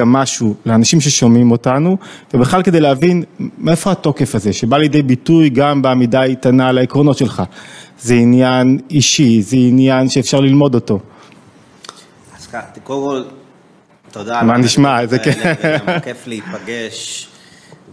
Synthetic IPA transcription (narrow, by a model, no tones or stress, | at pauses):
amːaʃuleanaʃimʃ̬e̞ʃomimo̞tanuvebeχlalkedejleavinmeefo̞hato̞ke̞faze̞ʃe̞baljedejbitujɡambamidaitanalaikʁo̞no̞t̪ʃe̞lχazeinjaniʃizeinjanʃeːfʃaʁlilmo̞do̞to̞ | askat̪kolkol | t̪od̪amaniʃmazekekeflipaɡeʃ